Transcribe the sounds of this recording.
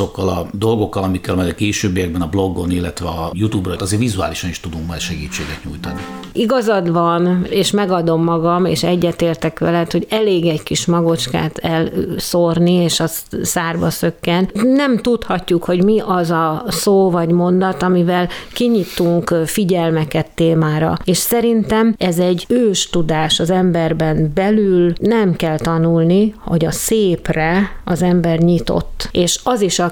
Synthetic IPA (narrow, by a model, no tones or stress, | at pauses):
o̞kːɒlɒd̪o̞lɡo̞kːɒlɒmikːɛlmɛjɛkeːʃøːbːijɛɡ̚bɛnɒblo̞ɡːonilːɛt̪ʋɛɒjut̪uːbrɒt̪ɒzeːɾvizua̰ːliʃɒniʃt̪ud̪uŋkmɛjʃɛɡiːt͡ʃːḛːɡɛt̪ɲujt̪ɒniiɡɒzɒd̪ʋɒneːʃmɛɡɒd̪o̞mːɒɡɒmeːʃɛɟːɛt̪eːrt̪ɛkʋɛ̰lɛt̪ho̞ɟɛleːɡɛɟkiʃmɒɡo̞t͡ʃka̰ːt̪ɛlso̞rnieːʃɒssaːrbɒsø̞kːɛnnɛmt̪ut̪hɒcːukho̞ɟmiʔɒzɒsoːvɒɟmo̞nd̪ɒt̪ɒmivɛlkiɲit̪uŋkfiɟɛlmɛkɛt̪ːeːmaːɾɒ̰eːʃsɛɾint̪ɛmɛzɛɟːøːʃt̪ud̪aːʃɒzɛmbɛrbɛnbɛlylnɛmkɛlt̪ɒnulniho̰ɟɒseːprɛɒzɛmbɛrɲit̪o̞̰t̪ːeːʃɒziʃɒ